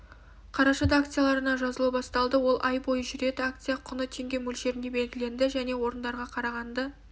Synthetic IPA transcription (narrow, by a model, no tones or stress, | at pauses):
qʰɑɾɑʃɑd̪akt̪sɨjalˠɑɾənɑʒɑzəlˠuwbɑst̪ɑlˠd̪əwo̞lˠʔɑjbo̞jəʒʏɾe̞d̪ɪakt̪sijaqʰʊnət̪ʰe̞ŋɡʲe̞mɵlʃe̞ɾɪnd̪e̞be̞lɡʲɪle̞nd̪ɪʒæne̞wo̞ɾənd̪ɑɾʁɑqʰɑɾɑʁɑnd̪ə